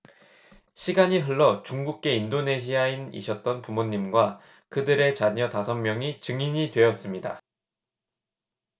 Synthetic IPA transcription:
ɕʰiɡaɲiɦɯɭːʌt͡ɕuŋɡuk̚k͈e̞indone̞ɕʰiainḭɕʰʌt̚t͈ʌnpumoɲːimɡwa | kɯdɯɾe̞t͡ɕaɲʌtasʰʌŋmjʌŋit͡ɕɯŋiɲidwe̞jʌs͈ɯmɲida̰

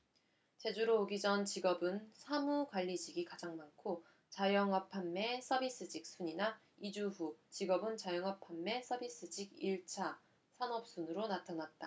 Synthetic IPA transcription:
t͡ɕe̞d͡ʑuɾoːɡid͡ʑʌnt͡ɕiɡʌbɯnsʰamukwaʎːid͡ʑiɡikad͡ʑaŋmankʰo | t͡ɕajʌŋʌpʰamːe̞s͈ʰʌbis͈ɯd͡ʑik̚s͈ʰuɲina | id͡ʑuɸut͡ɕiɡʌbɯnt͡ɕajʌŋʌpʰamːe̞s͈ʰʌbis͈ɯd͡ʑiɡiɭt͡ɕʰa | sʰanʌp̚s͈unɯɾonatʰanat̚t͈a

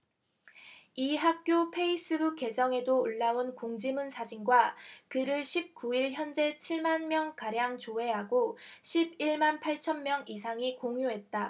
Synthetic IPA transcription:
iɦak̚k͈jopʰe̞is͈ɯbuk͈ːe̞d͡ʑʌŋe̞douɭːaonkoŋd͡ʑimunsʰad͡ʑinɡwakɯɾɯɭɕʰip̚k͈uiɭçjʌnd͡ʑe̞t͡ɕʰiɭmanmjʌŋkaɾjaŋt͡ɕoe̞ɦaɡoɕʰibiɭmanpʰaɭt͡ɕʰʌnmjʌŋisʰaŋikoŋjuɦe̞t̚t͈a

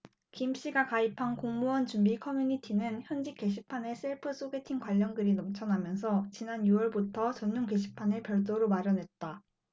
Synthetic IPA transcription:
kimɕ͈iɡakaipʰankoŋmuʌnt͡ɕumbikʰʌmjuɲitʰinɯnçjʌnd͡ʑik͈ːe̞ɕʰi̥pʰane̞sʰɯɭpʰɯs͈ʰoɡetʰiŋkwaʎːʌnɡɯɾinʌmt͡ɕʰʌnamjʌns̬ʰʌt͡ɕinanjuʌɭbutʰʌt͡ɕʌnːuŋke̞ɕʰi̥pʰane̞pjʌɭt̬͈oɾomaɾjʌne̞t̚t͈a

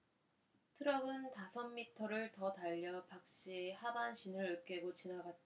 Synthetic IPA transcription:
tʰɯɾʌɡɯntasʰʌmːitʰʌɾɯɭtʌtaʎːʌpak̚ɕ͈ihabanɕʰinɯɭɯk͈e̞ɡot͡ɕinaɡat̚t͈

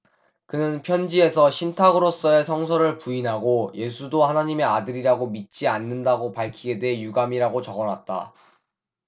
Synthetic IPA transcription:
kɯnɯnpʰjʌnd͡ʑie̞sʰʌɕʰintʰaɡɯɾos͈ʌe̞sʰʌŋs̬ʰʌɾɯɭpuinɦaɡoje̞sʰudohanaɲime̞adɯɾiɾaɡomit̚t͡ɕ͈ianːɯndaɡopaɭkʰiɡe̞dweɦejuɡamiɾaɡot͡ɕʌɡʌnwat̚t͈a̰

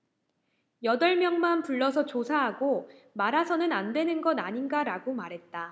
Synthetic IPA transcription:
jʌdʌɭmjʌŋmanpuɭːʌsʰʌt͡ɕosʰaɦaɡomaɾasʰʌnɯnandwe̞nɯnɡʌnaɲinɡaɾaɡomaɾɦe̞t̚t͈a

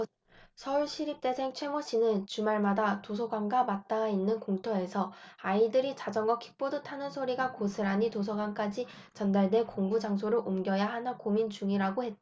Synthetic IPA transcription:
sʰʌuɭɕʰiɾip̚t͈e̞sʰe̞ŋt͡ɕʰwe̞moɕ͈inɯnt͡ɕumaɭmadatosʰʌɡwaŋɡamat̚t͈aainːɯnkoŋtʰoe̞sʰʌaidɯɾit͡ɕad͡ʑʌŋɡʌkʰi̥k̚p͈odɯtʰanɯnsʰoɾiɡakosʰɯɾaɲitos̬ʰʌɡwank͈ad͡ʑi | t͡ɕʌndaɭde̞koŋbud͡ʑaŋsʰoɾɯɭʔomɡjʌjaɦanakomint͡ɕuŋiɾaɡohe̞t̚a

